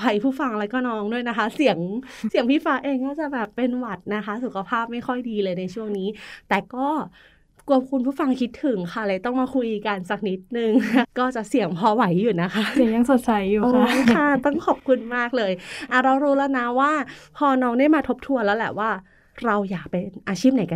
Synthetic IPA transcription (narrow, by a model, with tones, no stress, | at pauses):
pʰa˨˧jpʰuː˥˩fa˧ŋlaː˧˦˥kɔː˥˩nɔː˦˥ŋdu˥˩əjna˦˥kʰa˦˥si˨˩˦əŋ | si˩˦ŋpʰiː˥˩faː˦˥ʔeː˧ŋkaː˥˩t͡ɕa˨˩bɛː˨˩pːe˧nwa˨˩t̪̚na˦˥kʰa˦˥su˨˩kʰa˧pʰaː˥˩p̚ma˥˩jxʰɔ˥˩jdiː˧lɤː˧jna˧jt͡ɕʰu˥˩əŋniː˦˥t̪ɛː˨˩kɔː˥˩ | ku˧˨˩əp̚kʰu˧npʰuː˥˩fa˧ŋkʰi˦˥t̪ʰːɯ˨˩˦ŋkʰa˥˩laː˧˩jt̪ɔ˥˩ŋmaː˧kʰu˧jʔiː˨˩ka˧nsa˨˩k̚ni˦˥t̪̚nɯ˨ŋkɔː˥˩t͡ɕa˨˩ʔsi˨˩˦əŋpʰɔː˧wa˩˦jːuː˨˩na˦˥kʰa˦˥si˩˦ja˧ŋso˨˩t̪̚t͡ɕa˧˦jːuː˨oː˧kʰa˥˩t̪ɔ˥˩ŋkʰɔ˨˩p̚kʰu˧nmaː˥˩k̚lɤː˧jʔa˨˩ɾa˧wɾuː˦˥lɛː˦˥wna˦˥waː˥˩pʰɔː˧nɔː˦˥ŋda˥˩jmaː˧t̪ʰo˦˥p̚t̪ʰu˧ənlɛː˦˥wlɛː˨˩waː˥˩ | ɾa˧wjaː˨˩k̚pe˧ʔaː˧t͡ɕʰiː˥˩p̚na˨˦jka˧